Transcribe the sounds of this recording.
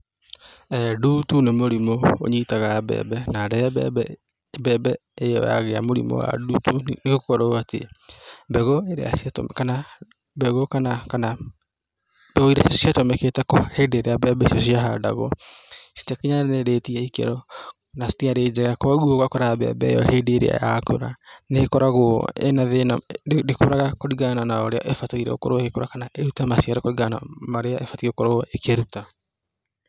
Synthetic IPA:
ɛdutunemoɾimoo̰ɲitaɣabɛ̰bɛnaɾɛ | bɛbɛejɔ̰ja̰ɣeamoɾḭmo̰wa̰dutuneɣokɔɾoatḛbɛɣoeɾḛa̰satmkana | bɛɣokanakana | bɛɣoiɾasiatɔmɛketɛkohedeɾeabɛbɛisiɔs̬iaɦada̰ɣɔ̰si̥tɛkiɲaneɾeːtiɛikḛɾɔ | nasi̥tiaɾeːd͡ʑɛɣakɔɣuoɣwakoɾabea̰bɛ̰jɔ̰hedeɾḛa̰ja̰ko̰ɾa̰neekɔɾaɣo̰ḛnaðenadeko̰ɾaɣakoɾiɣananaoɾeaʔefataiɾɛ̰o̰koɾoekekoɾakanaʔeɾutamasiaɾɔkoɾiɣananaɾeaʔefatieokoɾoekeɾuta

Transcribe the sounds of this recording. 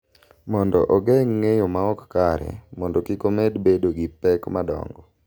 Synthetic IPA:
mɔndɔʔɔɡɛŋːejomaɔkkaɾɛ̰mɔndɔkikomedbedoɡipɛkmadɔ̰ŋɡɔ

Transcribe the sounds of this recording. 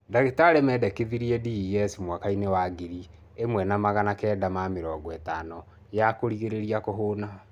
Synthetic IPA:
daɣetaɾɛmɛːdɛkeðiɾiɛdijɛsimwakainewaɡiɾi | emwɛnamaɣanakɛːdamameɾɔːɡɔɛtanɔ | jakoɾiɣeɾeɾiakoɦoːna

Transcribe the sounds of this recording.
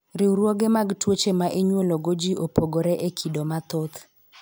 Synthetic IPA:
ɾɪwɾwoɡemaɡtwot͡ʃemaʔeɲwoloɡod͡ʒiʔopoɡoɾɛʔekʰidomat̪ot̪

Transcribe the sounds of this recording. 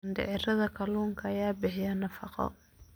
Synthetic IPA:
ndɛ̰ʕɪɾɐðɐkʰɐluːŋkʰɐɐjaːbɪħɪjɐnɐfɑqɔ̰

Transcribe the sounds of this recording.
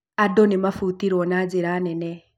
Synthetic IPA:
adɔnemafutiɾwɔnad͡ʒeɾanɛnɛ

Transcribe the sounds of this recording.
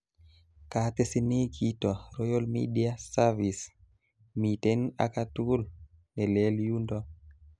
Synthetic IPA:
katesinikʰitɔɾɔjolmḭdiasavis | mitena̰katul | nɛlɛljundɔ

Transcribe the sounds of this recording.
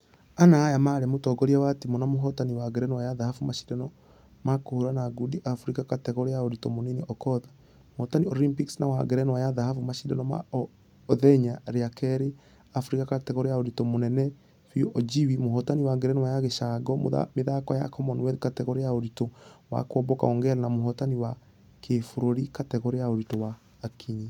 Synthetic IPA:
anaːjamaɾɛmotɔɡɔɾiɛwatimɔnamoɦɔtaniwaɡɛɾɛnwajaðahafumaʃi̥dɛnɔ | makohuɾanaɡudiʔafuɾikakatɛɣɔɾejaoɾitɔmonineʔɔkɔða | mohɔtaniɔɾimpiksnawaɡɛɾɛnwajaðahafumaʃidɛnɔma̰ | ðɛɲaɾeakɛɾe | afuɾikakatɛɣɔɾejaoɾitɔmonɛnɛ | fioʔɔd͡ʒiwimohɔtaniwaɡɛɾɛnwajaɣeʃaɡɔmo̰ða̰meðakwaja̰kʰɔmɔnwɛdkatɛɣɔɾejaoɾitɔwa̰kwɔbɔka̰oŋɡɛɾanamohɔtaniwa | kʰefuɾoɾikatɛɣɔɾeaoɾitɔwaː | kʰiɲi

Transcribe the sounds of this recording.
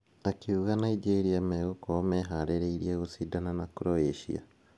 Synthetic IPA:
akiuɣanaid͡ʒeɾiameɣokomeɦaɾeɾeiɾieɣosidananakɾoeʃḭa̰

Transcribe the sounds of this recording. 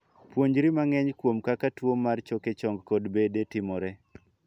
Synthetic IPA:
pwoɲd͡ʒɾimaŋɛɲkwomkakatwomːart͡ʃɔket͡ʃɔŋɡkɔdbedetɪmɔɾɛ

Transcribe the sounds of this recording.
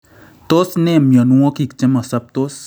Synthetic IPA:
t̪osnemjənuɔ̃kikt͡ʃeməsap̚t̪os

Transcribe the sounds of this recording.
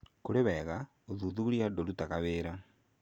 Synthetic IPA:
kuleβeɣa | oðuðuuljadolutakaβeːɾa

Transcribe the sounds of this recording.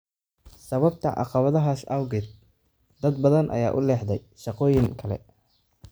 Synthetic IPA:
sɐβɐbt̪ʰɐ̰ʔɑ̰qɑβɐðɐɦaːsɐwɡɪd̪̚ | d̪ɐd̪bɐðɐnʔɐ̰ja̰ːʔʊlɛːħd̪ɛj | ʃɑqɔːjɪŋkʰɐlɛ̰

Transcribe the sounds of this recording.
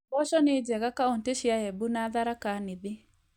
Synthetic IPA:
bɔʃɔnɪd͡ʒɛɣakaonteʃiaɛbunaðaɾakanɪðɪ

